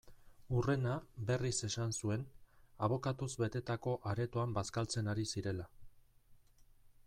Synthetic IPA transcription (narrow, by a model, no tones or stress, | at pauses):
ure̞nabe̞rise̞sansue̞naβ̞o̞kat̪uzβe̞t̪e̞t̪ako̞ʔaɾe̞t̪oambaskalt͡se̞naɾisiɾe̞la